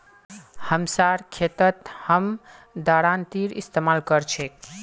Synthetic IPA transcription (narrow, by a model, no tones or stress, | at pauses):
həmsaɾkʰet̪ət̪həm | d̪aɽant̪iɾḭst̪emalkəɾt͡ʃʰek